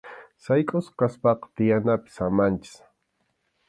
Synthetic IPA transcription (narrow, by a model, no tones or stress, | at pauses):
sajkʼʊskaspɑqɑ̥t̪ɪjanapɪ̥samant͡ʃɪ̥s